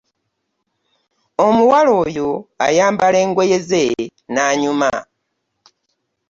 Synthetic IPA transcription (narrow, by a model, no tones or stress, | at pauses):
omuwalo̞ːjoa̰jaːmbale̞ːŋɡo̞jezenaːɲuma̰